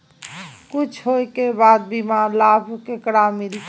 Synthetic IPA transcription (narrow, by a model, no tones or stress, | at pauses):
kut͡ʃʰɦoekebad̪̚bimalabʱkekəɽamil